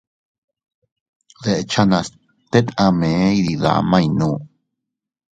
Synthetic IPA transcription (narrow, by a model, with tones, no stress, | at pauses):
ðe˨ʔt͡ʃa˦nã˨s | t̪e˦t̪ã˧mẽ˨˦iði˨ða̰˨mã˦˧inũ˦